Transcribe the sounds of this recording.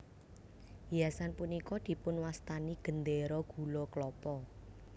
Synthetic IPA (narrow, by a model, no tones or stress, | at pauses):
jasanpunikɔd̪̥i̤pʊnwast̪aniɡ̥ə̤nd̪eɾɔɡ̥ṳlɔklɔpɔ